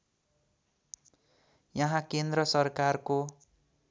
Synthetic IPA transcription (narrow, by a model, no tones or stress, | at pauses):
jʌɦãkend̪rɾʌsʌrkarko